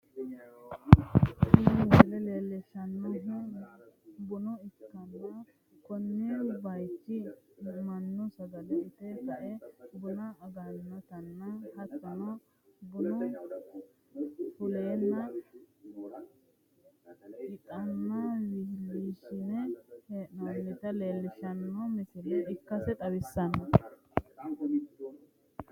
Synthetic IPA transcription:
sʊnɛwɪhlɛleːlːɛʃɐnːɔɦɪ | bʊnʊɪkːɐnːɐ | kʊnːɪbɐjt͡ʃːɪmɐnːʊsɐɡɐlɐʔɪt̪ɛhɐʔɛbʊnɐɐɡanːɐt̪ɐnːɐhɐt͡sːɐnɐ | bʊnɔ | fʊleːnːɐ | ɪt̪ʼɐnːɐwihlːiːʃɪnɛheʔɐnːɪt̪ɐle̞ːlːɪʃɐnːɔmɪsɪlɛɪkːɐsɛt̪ʼɐwɪsːɐnːɐ

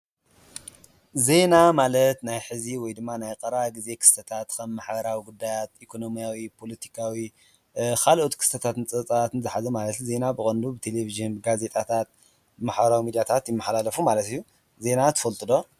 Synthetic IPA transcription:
ze̞namalɐt̪najħɨziwɔjd̪ɨmːanajqʼɐɾaɡize̞kʰɨ̥st̪ʰɐt̪ʰat̪kʰɐmːaħbɐɾawiɡud̪ːajat̪ʔikʰo̞no̞mijawipʰo̞lɐt̪ʰi̥kʰawi | kʰalʔot̪kʰɨ̥st̪ɐt̪ʰat̪nt͡sʼɐt͡sʼaat̪ɨnzɨħazɐmalɐt̪ze̞nabɨxʼɐnd̪ubɨt̪ʰe̞leviʒiɨnbɨɡaze̞t̪ʼat̪ʰat̪̚ | maħbɐɾawimid̪jat̪ʰat̪jɪmːaħalalɐfumalɐt̪ɨjːu | ze̞nat̪ʰɨ̥fɐlt̪ʼɨd̪o̞

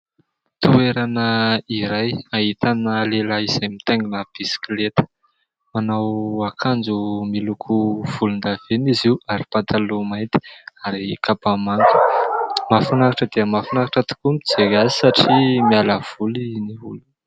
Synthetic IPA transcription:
t̪ueɾanəiɾajaɦit̪anəlelaiz̥ajmit̪eŋɡinəb̥isi̥klet̪ə̥ | manawakʰand͡ʒumilukʰuv̥ulund̪av̥eniziwaɾipat̪ʰalumajnt̪i̥aɾikapamaŋkə̥mafunakaʈ͡ʂəd̪iəmafinakaʈ͡ʂət̪i̥kumid͡zeɡazi̥saʈ͡ʂimialav̥uliniulu

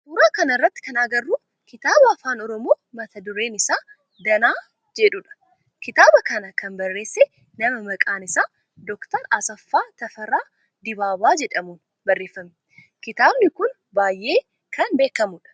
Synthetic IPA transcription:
huːɾaːkɐnɐɪrːɐt̪ːɪ̥kɐnaːɡɐrːuː | kɪt̪aːbɐɐfaːnɔɾɔmoːmɐt̪ʰɐd̪ʊɾe̞ːnɪsaː | d̪ɐnaː | d͡ʒɛᶑuːᶑɐ̥ | kɪt̪aːbɐkɐnɐkɐnbɐrːe̞ːsːɛ | nɐmɐmɐkʼaːnɪsaː | d̪ɔkt̪ɐɾɐsɐfːaːt̪ɐfɐɾaː | d̪ɪbaːbaːd͡ʒɛᶑɐmuːn | bɐrːe̞ːfːɐm | kɪt̪aːbnɪkʊn | baːjʔe̞ː | kʰɐnbe̞ːkːɐmʊᶑɐ̥

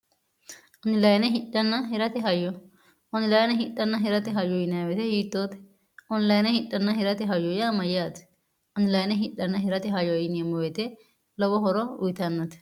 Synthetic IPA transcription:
ʔɔnɪlɐjnɛɦɪᶑɐnːɐɦɛɾɐt̪ɛɦɐjɔ | ʔɔnɪlɐjnɛɦɪᶑːɐnːɐɦɛɾɐt̪ɛɦɐjɔjɪnɐwɛt̪ɛhiːt̪ːoːt̪ɛ̥ | ɔnlɐjnɛhɪᶑːɐnːɐhɛɾɐt̪ɛɦɐjɔjamɐjaːt̪ɛ̥ | ɔnɪlɐjnɛɦɪᶑɐnːɐɦɛɾɐt̪ɛɦɐjɔjɪnɐmɔwɛt̪ɛ | lɔwɔɦɔɾɔʊjt̪ɐnːɐt̪ɛ̥

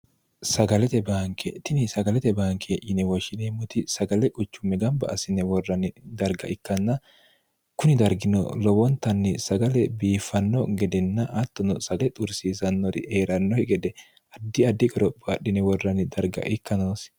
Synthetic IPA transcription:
sɐɡɐlɛt̪ɛbaːŋkʰɛt̪ɪnɪsɐɡɐlɛt̪ɛbaːŋkʰeʔɪnɛwɔʃɪnemʊt̪ɪsɐɡɐlɛkʼʊt͡ʃːʊmːɛɡɐmbɐ̰ʔːsɪnɛwɔrːɐnɪd̪ɐɾɡɐʔɪkːɐnːɐ | kʊnɪd̪ɐɾɡɪnɔ̰lɔwɔnt̪ːɐnːɛsɐɡɐlɛbiːfːɐnːɔɡɛd̪ɛnːɐʔɐt̪ːɔnɔsɐɡlɛt̪ʼʊɾsiːsɐnːɔɾɪ̰ʔeːɾɐnːɔhɛɡɛd̪ɛ | ɐd̪ːɪɐd̪ːɪkʼɛɾɔpʼːɔɐɗːɪnɛwɔrːɐnɪd̪ɐɾɡɐ̰ʔɪkːɐnoːs

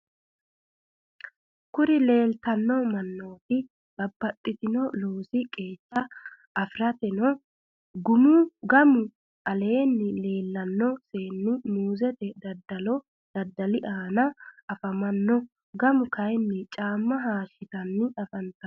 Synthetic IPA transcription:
kʊɾɪle̞ːlt̪ɐnːɔmɐnːo̞ːt̪ɪ | b̥ɐbːɐt̪ʼːɪt̪ɪnɔloːsɪkʼe̞ːt͡ʃːɐ | ɐfɾɐt̪ɛnɔ | ɡʊmʊɡɐmʊ | ʔɐle̞ːnːɪle̞ːlːɐnːɔse̞ːnːɪmuːzɛt̪ɛd̪ɐd̪ɐlɔ | d̪̥ɐd̪ːɐlɪʔaːnɐɐfɐmɐnːɔ | ɡɐmʊkʰɐjnːɪt͡ʃʼaːmːɐɦaːʃːɪt̪ɐnːɪɐfɐnt̪ɐ

